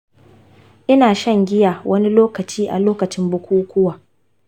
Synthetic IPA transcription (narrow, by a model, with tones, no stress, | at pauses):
ʔɪ˦naː˨ʃɐ˦˨ŋɡʲɪ˦jaː˨wɐ˦ni˦loː˦kɐ˨t͡ʃiː˦ʔa̰˨loː˦kɐ˨t͡ʃɪ˦mbʊ˦kʷuː˦kʷʊ˦waː˨